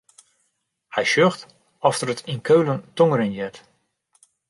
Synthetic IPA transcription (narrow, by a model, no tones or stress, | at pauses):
hɛjʃøxt | ɔftərətʰinkʰøɥləntoŋəɾənjɛt